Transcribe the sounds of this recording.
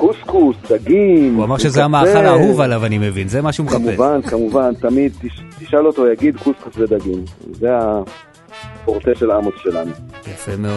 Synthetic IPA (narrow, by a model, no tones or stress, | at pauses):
kuskusd̪aɡimuamaʁʃezeamaːχalaɦuvalavanime̞vinzemaʃumeχamuevankamuvant̪amid̪̚t̪iʃt̪iʃalo̞t̪ojaɡid̪kuskusved̪aɡimzea | poʁt̪eʃelamosʃelanujafemeod